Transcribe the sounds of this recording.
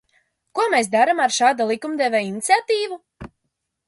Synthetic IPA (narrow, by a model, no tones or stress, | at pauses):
kuɔmes̬d̪aɾamaɾʃaːd̪alˠikumd̪ɛvʲeinit̪sʲat̪iːvu